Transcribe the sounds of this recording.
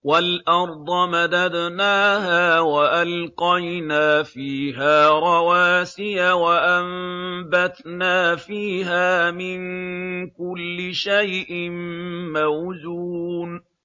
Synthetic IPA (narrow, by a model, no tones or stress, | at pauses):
walʔɑɾˤd̪ˤɑmad̪ad̪naːɦaːwaʔalqɑjnaːfiːɦaːɾˤɑwaːsɪjawaʔambat̪naːfiːɦaːmɪnkʊlːɪʃajʔɪmmawzuːn